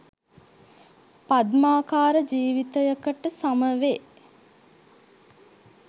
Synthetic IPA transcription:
pad̪maːkaːɾəd͡ʒiːʋit̪əjəkəʈəsaməʋe

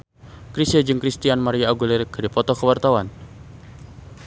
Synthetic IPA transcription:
kɾisəd͡ʒɨŋkɾist̪ianmaɾiaaɡulirkədipɔt̪ɔkəwart̪awan

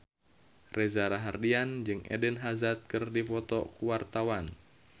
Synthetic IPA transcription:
rʔɛzaɾaɦardiand͡ʒɨŋɛ̰dənɦazat̪̚kɨrdipɔt̪ɔkuwart̪awan

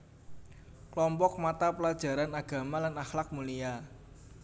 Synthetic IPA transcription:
klɔmpɔk̚mat̪apəlad̥ʒ̥a̤ɾanaɡ̥a̤malanaxlak̚mulija

